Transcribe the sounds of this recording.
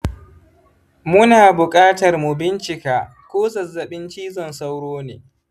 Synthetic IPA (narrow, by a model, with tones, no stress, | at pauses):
mʊ˦naː˨bʊ˨kʼaː˦tɐ˨rmu˨bɪ˦nt͡ʃɪ˨kaː˨ | kʷoː˦sɐ˨zːɐ˨ɓɪ˦nt͡ʃiː˦zɔ˨nsa˦wɽoː˦neː˨